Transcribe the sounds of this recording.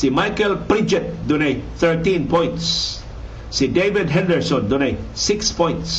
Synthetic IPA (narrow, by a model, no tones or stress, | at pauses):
simajkɛlpɾid͡ʒɛt̪̚d̪uneθəɹt̪ĩnpɔ̃j̃nts | sidevɪdɦɛ̃ndəɹsɔ̃ndunejsɪkspɔ̃j̃nts